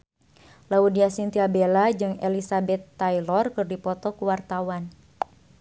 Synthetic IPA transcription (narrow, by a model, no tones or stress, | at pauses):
laudiasint̪iabelad͡ʒɨŋɛlisabɛt̪ːajlɔrkɨrdipɔt̪ɔkuwart̪awan